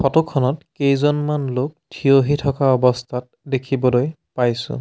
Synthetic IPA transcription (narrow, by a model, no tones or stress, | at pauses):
pʰɔtɔkʰːɔnɔtkejzɔnmanlok̚tʰioɦitʰɔkaɔbɔstʰat̚ | dekʰibɔloj | pajsʊ̰̃